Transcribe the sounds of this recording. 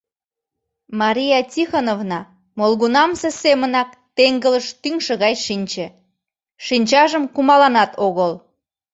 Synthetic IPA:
mɑɾʲijɑtʲixonovnɑ | molɣunɑmsesemənɑk̚ | t̪eŋɡələʃt̪yŋʃə̆ɣɑjʃinʲt͡ɕĕ | ʃinʲt͡ɕɑʒəmkumɑlɑnɑt̪ʰoɣəl

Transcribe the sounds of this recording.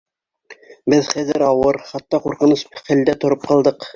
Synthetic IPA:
bɘðχæðɘɾɑwɤɾχɑt̪ːɑquɾqɤ̆nusfæ̆ld̪æt̪ŏɾop̚qɑlˠd̪ɤq

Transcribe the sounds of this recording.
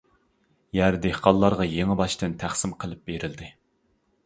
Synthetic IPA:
jæɾd̪ehqɑlˠːɑɾʁɑjeŋɪbɑʃt̪ɨnt̪ʰæχsɪmqʰəlˠɪp̚beɾɪld̪ɪ

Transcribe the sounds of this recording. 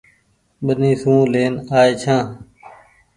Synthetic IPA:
ɓənĩːsũːleːnaːeːt͡ʃʰãː

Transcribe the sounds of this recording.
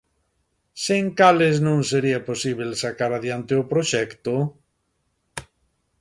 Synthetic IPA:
seŋkaleznõŋseɾiaposiβelsakaɾaðjant̪eopɾoʃɛkt̪o

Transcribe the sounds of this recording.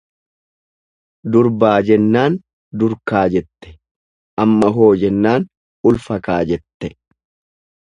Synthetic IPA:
d̪ʊɾbaːd͡ʒɛnːaːn | d̪ʊɾkaːd͡ʒɛt̪ːɛ̥ | ʔɐmːɐɦo̞ːd͡ʒɛnːaːn | ʊlfɐkaːd͡ʒɛt̪ːɛ

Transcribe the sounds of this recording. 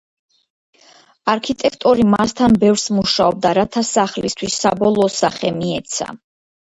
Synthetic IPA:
aɾkʰit̪ʼɛkʰt̪ʼɔɾimast̪ʰanbɛvɾsmuʃaɔb̚d̪aɾat̪ʰasaχlist̪ʰwisːabɔlˠɔːsaχɛmiɛt̪sʰa̰

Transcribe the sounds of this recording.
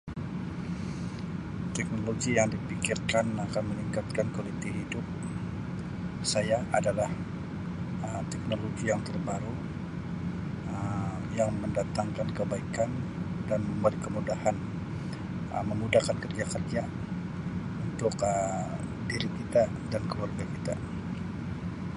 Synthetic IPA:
t̪ɛk̚noloɡijaŋdipikirkanakanməniŋkat̪̚kankolit̪iɦidʊp̚ | sajaʔadalah | əmt̪ɛk̚noloɡijaŋt̪ərbaɾu | ə | jaŋməndat̪aŋkankəbaikandanməmbəlikəmudahan | ə̰məmudahkankərd͡ʒakərd͡ʒa | unt̪ʊkə | diɾikit̪a | dankəluwarɡakit̪a̰

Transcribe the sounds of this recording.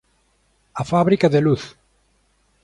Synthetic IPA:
ɐfaβɾikaðeluθ

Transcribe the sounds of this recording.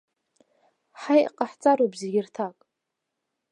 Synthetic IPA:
ħajqʼaħt͡sʼaɾobzeɡʲɪrtʰakʼ

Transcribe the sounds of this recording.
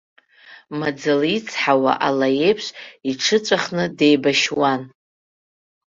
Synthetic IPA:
mad͡zɨlit͡sʰħawa̰ʔalaje̞jpʰʃʷiʈ͡ʂʰɨt͡sʷʼaχnɨde̞jbaʃwan

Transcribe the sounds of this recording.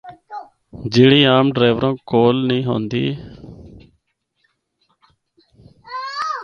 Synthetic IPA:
d͡ʒɪɽiːaːmɖɾeːʋəɾõːkoːlnĩːɦo̰ːnd̪iː

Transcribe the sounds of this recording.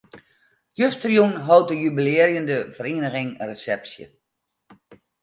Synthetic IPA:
jøstrjunɦɔwt̚əjybileərjəndəvəriːnəɣɪŋresɛpsjə̰

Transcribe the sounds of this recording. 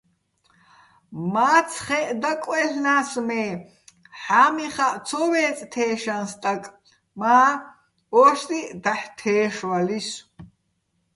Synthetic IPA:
maːt͡sʰχɛʔd̪akʼwɛɬnaːsmɛː | ħaːmiχaʔt͡sʰɔwɛːt͡sʼt̪ʰɛːʃanst̪ʼakʼ | maː | ɔːʃt̪id̪aħt̪ʰɛːʃwalis

